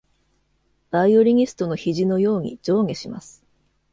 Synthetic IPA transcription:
b̥aioɾʲiɲ̟ʲisɨ̥t̪o̞no̞çiʑino̞jo̞ːɲ̟ḭd͡ʑo̞ːŋe̞ɕima̰sɨ̥

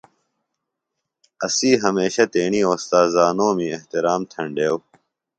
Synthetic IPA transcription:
ɐsiːɦɐmeːɕɐt̪eːɳiːoːst̪aːzaːnoːmĩːeht̪iɾaːmt̪ʰɐɳɖeːw

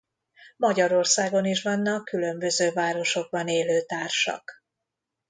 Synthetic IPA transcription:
mɒɟɒɾo̞rsaːɡo̞niʃvɒnːɒkːylø̞mbø̞zøːvaːɾo̞ʃo̞ɡ̚bɒneːløːt̪aːrʃɒ̰k

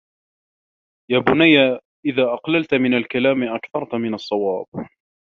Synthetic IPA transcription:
jaːbʊnajːa | ʔɪðaːʔɑqlalt̪mɪnalkalaːmʔakθɑɾˤt̪mɪnɑsˤːɑwɑːb̥̚

